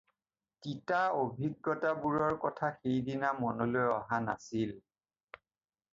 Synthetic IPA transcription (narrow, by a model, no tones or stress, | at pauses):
titaobʱiɡːɔtabuɹɔɹkɔtʰaxejdinamɔnolojɔ̰ɦana̰sil